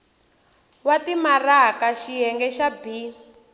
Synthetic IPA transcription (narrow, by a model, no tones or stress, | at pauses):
watimarakaʃijɛŋɡɛʃabi